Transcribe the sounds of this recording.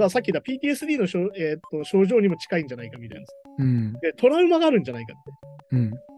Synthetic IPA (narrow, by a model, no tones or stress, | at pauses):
d̪asakʲːid̪apʲiːt̪ʲiːe̞sɨdʲiːno̞ɕoet̪ːo̞ɕo̞ːʑo̞ːɲ̟imo̞t͡ɕi̥kaĩɲ̟d͡ʑanaikamʲiɾḛnd̪sɯ̃d̪e̞t̪ʰo̞ɾaɯ̟maɡaːɾɯ̟̃ɲd͡ʑanaikat̪ːeɯ̟̃ɴ